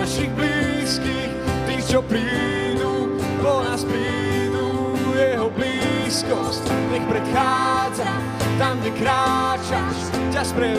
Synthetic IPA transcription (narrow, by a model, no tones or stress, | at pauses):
aʃiɣbliː | skiːxt̪iːt͡ʃɔpɾi | nu | pɔnaspɾi | nu | jɛɦɔbliːskɔscɲɛxpɾɛt̪xaːd͡za | t̪amɡɟɛkɾaːt͡ʃaʃd͡ʑaspɾɛ